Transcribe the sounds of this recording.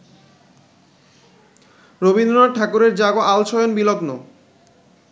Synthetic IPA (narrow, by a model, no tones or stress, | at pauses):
ɾobind̪aʈʰakuɾeɾd͡ʑaɡoʔalt͡ɕʰɔjonbilɔkno